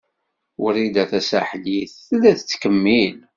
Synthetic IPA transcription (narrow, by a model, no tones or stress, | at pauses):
ʊɾid̪æθæsæħliθlːæθət͡sːkəmːil